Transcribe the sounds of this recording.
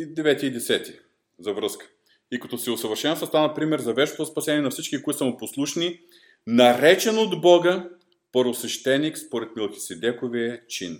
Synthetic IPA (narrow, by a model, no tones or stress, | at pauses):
d̪ɛvɛt̪ʲiid̪ɛsɛt̪i | zɐvɾɤskə̥ | ikɐt̪ɔsiosəvəɾʃɛnsəst̪anɐpɾimɛɾzɐvɛʃnot̪ospɐsɛniɛnɐfsit͡ʃkikoisəmuposlˠuʃni | nɐɾɛt͡ʃɛnod̪bɔɡə | pəɾvosvɛʃt̪ɛnːikspoɾɛt̪mɛlˠxʲi̥sɛd̪ɛkoviət͡ʃin